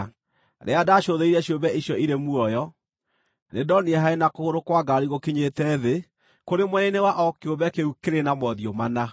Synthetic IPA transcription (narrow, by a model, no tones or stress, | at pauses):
ɾḛadaʃoðeiɾɛɕjobɛiɕjɔiɾemuɔjɔ | nedɔniɛɦaenakoɣoɾokwaɡaɾiɣokeɲetɛðe | koɾemwɛnenewaʔɔkjobɛkeukeɾenamɔðiomana